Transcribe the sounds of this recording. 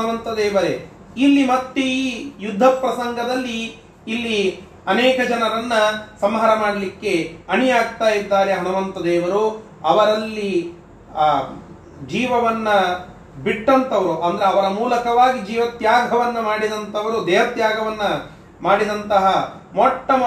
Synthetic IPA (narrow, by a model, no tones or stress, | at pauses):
ɐʋɐnt̪ɐd̪ɛːʋɐɾe | ilːimɐt̪ːeiːjud̪ʱːɐpɾɐsɐŋɡɐd̪ɐlːiː | lːi | ɐnɛːkɐd͡ʒɐnɐɾɐnːɐsɐmɦaːɾɐmaːɽɐlikːeɐɳijaːɡt̪aːjid̪ːaːɾeɦɐnuʋɐnt̪ɐd̪ɛːʋɐɾu | ɐʋɐɾɐlːi | d͡ʒiːʋɐʋɐnːɐ | biʈːɐnt̪ɐʋɐɾuʔɐnd̪ɐɾeɐʋɐɾɐmuːlɐkɐʋaːɡid͡ʒiːʋɐt̪jaːɡʱɐʋɐnːɐmaːɽid̪ɐnt̪ɐʋɐɾud̪ɛːʋɐt̪jaːɡʱɐʋɐnːɐ | maːɽid̪ɐnt̪ɐɦɐmɔʈːɐm